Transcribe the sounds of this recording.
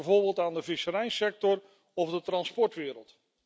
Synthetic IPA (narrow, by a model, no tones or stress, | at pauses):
voːɹbɪːlˠtaːndəvɪsəɾɛjnsɛk̚tɔr | ɔvdətrɑnspɔɹtʋɪːɾəlˠt